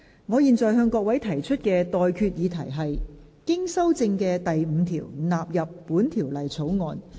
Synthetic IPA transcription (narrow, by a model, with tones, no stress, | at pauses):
ŋɔː˨˧jiː˨nt͡sɔː˨jɦœː˧ŋkɔː˧k̚wɐ˨˥jt̪ʰɐ˨˩jt͡ʃʰɵ˥t̚kɛː˧t̪ɔː˨jkʰyː˧t̚jiː˨˧t̪ʰɐ˨˩jɦɐ˨jkɪ˥ŋsɐ˥wt͡sɪ˧ŋkɛː˧t̪ɐ˨jm̩ː˨˧t̪ʰḭː˨˩wnaː˨p̚jɐ˨pːuː˨˥nt̪ʰiː˨˩wlɐ˨˩jt͡sʰo˨˥wŋɔː˨˧n